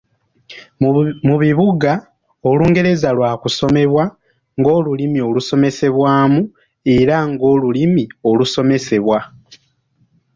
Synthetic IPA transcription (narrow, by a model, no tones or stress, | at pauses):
muβiβuɡa | oluːŋɡe̞ɾe̞zalwaːkuso̞me̞βwa | ŋɡo̞ːlulimio̞luso̞me̞se̞βwaːmu | e̞ɾaŋɡo̞ːlulimio̞luso̞me̞se̞βwa